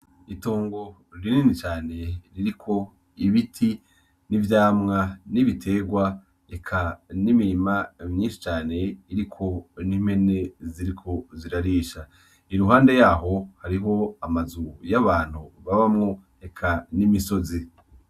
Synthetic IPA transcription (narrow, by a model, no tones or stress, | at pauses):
itoːŋɡo̞ | ɾiniːnit͡ʃaːne̞ɾiɾikʰo̞ | iβitʰi | nivjaːmŋaniβitʰe̞ɡwa | ekʰanimiɾimamɲiːnʃi̥t͡ʃaːne̞iɾikʰo̞nim̥he̞ne̞ziɾikʰo̞ziɾaɾiːʃa | iɾuɦaːnde̞jaːɦo̞haɾiɦo̞amazujaβaːn̥huβaβamŋo̞ | ekʰanimiso̞zi